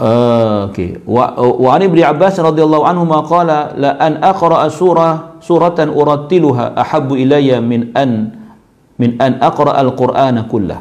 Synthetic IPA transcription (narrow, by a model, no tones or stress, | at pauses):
ʔokḛːwwaʕanʔɪbnɪʕabːaːsɾˤɑd̪ˤɨjɑlˤːɑːhʊʕanhʊmaːqɑːlalaʔanʔɑqɾˤɑʔsuːɾˤɑsuːɾˤɑʔʊɾˤɑt̪ːɪlʊɦa̰ːʔaħabːʔɪlajːamɪnʔan | mɪnʔanʔɑqɾˤɑʔalqʊɾʔaːnakʊlːa̰h